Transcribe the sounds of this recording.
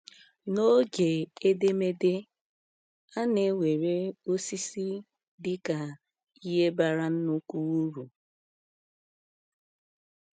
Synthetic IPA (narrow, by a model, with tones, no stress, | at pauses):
no˦d͡ʒe˨e˦de˦me˦de˦ | a˦ne˨˦wʷe˨ɾe˦o˦si˦si˦ | dɪ˦ka˨ | i˦ɦe˦ba˦ɾa˦n̩˦nu˦ku˦wu˦ɾu˨